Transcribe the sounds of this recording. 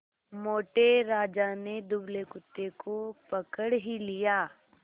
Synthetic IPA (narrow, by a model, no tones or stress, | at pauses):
moːʈeɾaːd͡ʒaned̪ʊblekʊt̪ːekopəkəɽɦilijaː